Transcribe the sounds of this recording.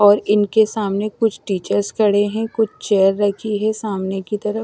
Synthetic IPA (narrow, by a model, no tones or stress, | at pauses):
ɔːɾɪnkesaːmnekʊt͡ʃʰʈiːt͡ʃəɾskʰɐɽ̤eɦɛ̃kʊt͡ʃʰt͡ʃɛːəɾːɐkʰiɦɛsaːmnekit̪ɐɾə